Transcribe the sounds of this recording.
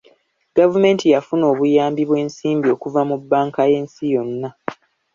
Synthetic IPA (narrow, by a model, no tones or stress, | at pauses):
ɡ̥avume̞ːntijafuno̞ːβujaːmbiβwe̞ːnsiːmbio̞ːkuvamubːaːŋkaje̞ːnsijo̞nːa